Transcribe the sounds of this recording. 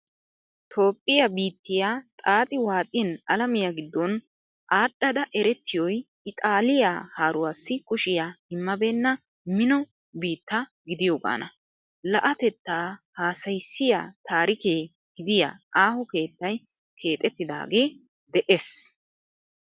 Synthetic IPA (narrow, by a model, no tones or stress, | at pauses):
t̪ʰo̞ːpʼːɪjɐbiːt̪ːɪjaːt̪ʼaːt̪ʼɪwaːt̪ʼɪnɐlɐmɪjaɡɪd̪ːɔn | ʔaːɗːɐd̪ɐʔɛɾɛt̪ːɪjɔj | ɪt̪ʼaːlɪjaːhaːɾʊwaːsːɪkʊʃɪjaːɪmːɐbeːnːɐ | mɪnɔ | biːt̪ːɐ | ɡɪd̪ɪjoːɡa̰ːnɐ | lɐʔɐt̪ɛt̪ːaːhaːsɐjsːɪja̰ːt̪aːɾɪkeː | ɡ̥ɪd̪ɪja̰ːaːhʊke̞ːt̪ːɐj | kʰe̞ːt̪ʼɛt̪ːɪd̪a̰ːɡeː | d̪ɛʔes